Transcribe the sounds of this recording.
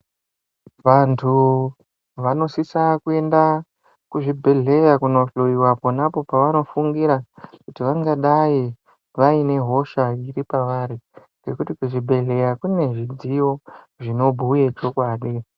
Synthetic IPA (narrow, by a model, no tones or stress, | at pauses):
ʋantʰu | ʋano̞sisakue̞nda | kuʐibʱe̞ɮe̞jakuno̞ɬoiwaponapo̞paʋano̞fuŋɡiɾakutiʋaŋɡaɗai | ʋaine̞ɦo̞ʃaiɾipaʋaɾi | ŋɡekutikuʐibʱe̞ɮe̞jakune̞ʐid͡zijo̞ | ʐino̞bʱujet͡ʃo̞kwaːɗi